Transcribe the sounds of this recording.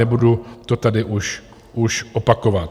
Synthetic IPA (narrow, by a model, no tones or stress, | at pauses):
ɛbudut̪o̞t̪adɪʔuʃ | ʔuʃʔopako̞vat̪̚